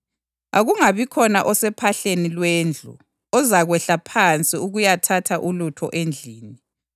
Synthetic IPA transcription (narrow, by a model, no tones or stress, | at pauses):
aɣuŋaβikʰɔnaʔɔsɛpʰaɬenilwend͡ɮʱṵ | ɔzaɣwɛɬapʰant͡sʼiuɣujatʰatʰaʔulutʰɔ̰ʔend͡ɮʱiːni